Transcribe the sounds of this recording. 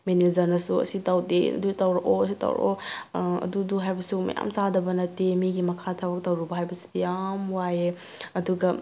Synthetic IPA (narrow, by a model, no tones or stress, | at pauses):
menezɐɾnɐsuɐ̰sitawdḛɐ̰dutawɾɐʔoɐsita̰wɾɐ̰ʔoɐ̰duduɦajbɐsumɐ̰ja̰msadɐbɐnɐtemiɡimɐkʰatʰabɐk̚tawɾubɐɦajbɐsi̥dijamwaje | ɐduɡɐ